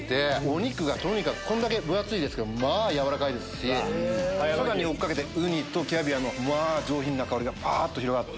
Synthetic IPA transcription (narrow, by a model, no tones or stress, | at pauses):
t̪e̞oɲ̟ikɯ̟ɡat̪o̞ɲ̟ikakɯ̟̥kʰõ̞nd̪ake̞bɯ̟at͡sɨid̪esɨ̥ked̪omaːjaβaɾakaid̪e̞sɨ̥ɕi | soɾaɲ̟io̞kkːake̞t̪eɯ̟ɲ̟it̪o̞kʲiabʲiano̞mad͡ʑo̞ːçĩnːakaoɾʲiɡapʰaːt̪ːo̞çiɾo̞ɡat̪ːe